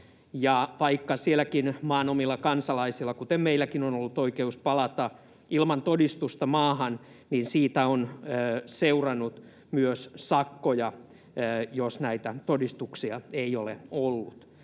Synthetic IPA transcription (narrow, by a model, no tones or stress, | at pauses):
jɑʋɑikːɑsielækinmɑːnomilːɑkɑnsɑlɑisilːɑkut̪emmeilːˑækinonolːut̪oikeuspɑlɑt̪ɑ | ilmɑnt̪odist̪ust̪ɑmɑːhɑn | ninsiːt̪æonøseurɑnːut̪ | myøssɑkːojɑ | josnæit̪æt̪odist̪uksiɑeiolḛolːut̪